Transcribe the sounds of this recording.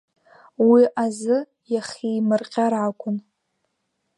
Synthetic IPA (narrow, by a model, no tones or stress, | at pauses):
wiʔazɨ | jaχʲijmɨrqʲʼaɾakʷʼʊn